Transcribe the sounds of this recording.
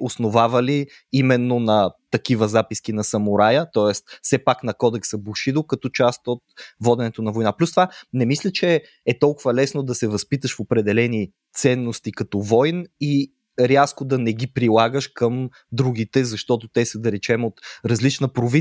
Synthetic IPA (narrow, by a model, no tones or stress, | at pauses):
osnovavɐli | imɛnːonɐt̪ɐkivəzapiskinɐsɐmʊɾajət̪ɔɛst̪sɛpaknɐkɔd̪ɛksəbuʃid̪okɐt̪ɔt͡ʃast̪ot̪vɔd̪ɛnɛt̪onɐvojnaplʲust̪vanɛmislʲət͡ʃɛ | ɛt̪ɔlˠkʊvɐlɛsnod̪ɐsɛvɐspit̪əʃfopɾɛd̪ɛlɛni | t̪sɛnːost̪ikɐt̪ɔvɔjni | ɾʲaskod̪ɐnɛɡipɾilˠaɡəʃkəm | d̪ɾuɡ̟it̪ɛzɐʃt̪ɔt̪ot̪ɛsəd̪ɐɾɛt͡ʃɛmot̪ɾɐzlit͡ʃnəpɾovi